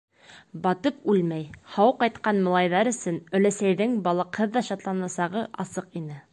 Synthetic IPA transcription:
bɑt̪ɤpʉlmæjhɑwqɑjt̪qɑnmɤ̆lˠɑjðɑɾɵ̆sɵnɵ̆læsæjðɘŋbɑlˠɤ̆qhɤðːɑʃɑt̪lˠɑnɑsɑʁɤʔɑsɤqinɘ

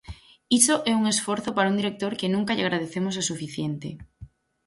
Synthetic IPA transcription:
isoʔɛuŋesfoɾθopaɾaund̪iɾek̚t̪oɾkenũŋkaʎaɣ̞ɾað̞eθemosasufiθjent̪ḛ

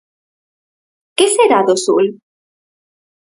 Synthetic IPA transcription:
keseɾaðosṵl

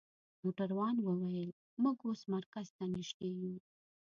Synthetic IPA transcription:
muʈaɾwɑnwəwajəl | muɡosmaɾkazt̪aniʃt̪eɡi

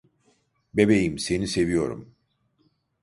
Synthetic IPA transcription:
bebejimse̞nise̞vijo̞ɾṵm

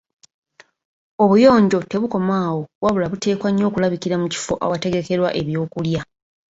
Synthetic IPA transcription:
o̞βujo̞ːɲɟo̞te̞βuko̞maːwo̞waβulaβute̞ːkwaɲːo̞ːkulaβiciɾamuci̥fo̞ʔa̰wate̞ɡe̞ke̞ɾwa̰ʔe̞βjo̞ːkulja

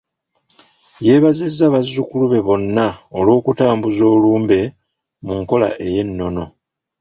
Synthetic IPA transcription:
je̞ːβazezːaβazːukuluβe̞βo̞nːaolo̞ːkutaːmbuzo̞ːluːmbe̞ | muŋko̞la̰ʔe̞je̞nːo̞no̞

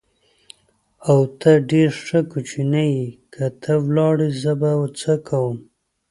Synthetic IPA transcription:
awt̪ʰaɖeɾʂəkut͡ʃinajikʰət̪ʰəwlɑɽizəbawt͡səkʰawəm

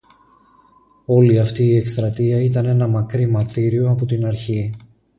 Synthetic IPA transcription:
o̞liɐft̪iːe̞kst̪ɾɐt̪iɐit̪ɐne̞nɐmɐkɾimɐɾt̪iɾio̞ɐpo̞t̪inɐɾçi

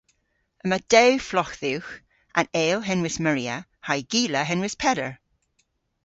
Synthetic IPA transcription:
əməd̥ewflɔxðiwx | ʔə̃neːlˠɦɛnwɪsməɹiəhajɡiːləɦɛnwɪspʰɛɾə˞

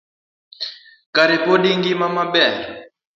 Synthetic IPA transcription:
kaɾɛpɔɗiŋɡimamabɛɾ

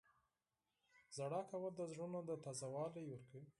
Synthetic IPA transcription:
zaɽɑkawəld̪əzɾunod̪ət̪azawɑləjwəɾkə

